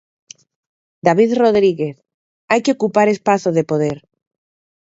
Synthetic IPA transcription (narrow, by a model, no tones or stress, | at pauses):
d̪aβ̞iðro̞ð̞ɾiɣeθ | ajkeokupaɾe̞spaθoðe̞poð̞eɾ